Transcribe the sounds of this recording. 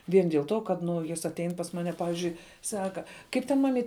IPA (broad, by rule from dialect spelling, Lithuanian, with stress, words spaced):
ˈʋʲiɛn dʲiɛlˠ ˈtoː kɐt ˈnʊ ˈjɪs ɐtʲˈɛɪn pɐs ˈmɑːnʲɛ ˈpɑːʋʲɪʒʲʊɪ ˈsɑːkɐ ˈkɐɪp tʲɛn mɐˈmʲiːt